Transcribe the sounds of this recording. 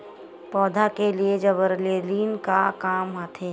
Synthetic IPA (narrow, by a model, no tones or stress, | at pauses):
pɔːd̪ʱakelied͡ʒɐbəɾleːliːnkakaːmɦat̪ʰeː